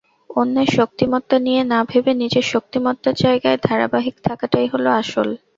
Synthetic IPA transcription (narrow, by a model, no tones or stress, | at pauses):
onːeʃok̚t̪imɔt̪ːanijenabʱebenid͡ʑeʃok̚t̪imɔt̪ːad͡ʑaeɡaed̪ʱaɾa̰baɦikt̪ʰakaʈajɦoloaʃol